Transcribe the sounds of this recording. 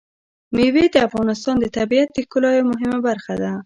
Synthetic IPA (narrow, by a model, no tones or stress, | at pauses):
mewed̪əafɣɑnɪs̬t̪ɑnd̪ət̪abiat̪̚d̪əkʊlɑjmʊɦɪmabaɾxad̪a